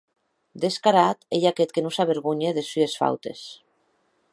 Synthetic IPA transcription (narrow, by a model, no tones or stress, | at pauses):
d̪eskaɾat̪eʎaket̪̚kenusaβeɾɣuɲeðesyesfa̰wt̪e̞̰s